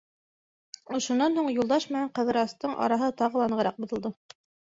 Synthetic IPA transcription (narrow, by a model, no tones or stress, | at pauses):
ŏʃŏnːɑnhuɴjulˠd̪ɑʃmɘnæɴqɤ̆ðɤ̆ɾɑst̪ɤɴʔɑ̰ɾɑɦɤt̪ɑʁɤlˠɑnɤ̆ʁɤ̆ɾɑq̚bŏðɤ̆lˠd̪ɤ